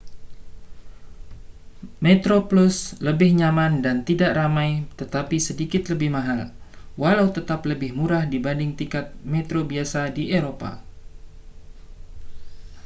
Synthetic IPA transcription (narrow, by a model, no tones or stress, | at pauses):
met̪ɾoplusləbɪhɲamandant̪idaʔramajt̪ət̪apisədikɪt̪ləbɪhmaɦalwalawt̪ət̪apləbɪhmuɾahdibandɪŋt̪ikat̪̚mɛt̪ɾobiasadieɾopa̰